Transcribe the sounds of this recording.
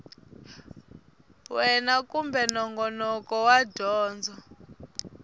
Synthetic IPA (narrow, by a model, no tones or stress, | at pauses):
wɛnakumbɛnɔŋɡɔnɔkɔwaɟʱɔːnd͡zʱɔ